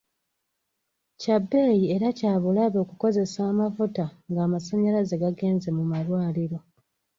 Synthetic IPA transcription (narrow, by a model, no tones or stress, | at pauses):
cabːeːjie̞ɾacaːβulaβo̞ːkuko̞ze̞saːmafutaŋɡaːmasaɲalaze̞ɡaɡe̞ːnze̞mumalwaːliɾo̞